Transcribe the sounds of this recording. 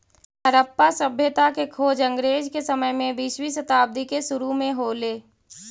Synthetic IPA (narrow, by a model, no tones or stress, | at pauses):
təɾəpːasəbʱjət̪akekʰoːd͡ʒə̃ŋɡɾeːd͡ʒkesəməjmẽbiʃwisət̪aːb̚d̪ikeʃʊɾumẽɦoːleː